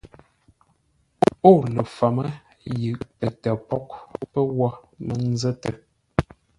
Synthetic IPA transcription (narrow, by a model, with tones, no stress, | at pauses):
o˦˨lə˨fa˨mə˦ | jɯ˨ʔpə˨ta˨pɔ˦k̚pə˦wa˦ | mə˦n˦zə˦tə˨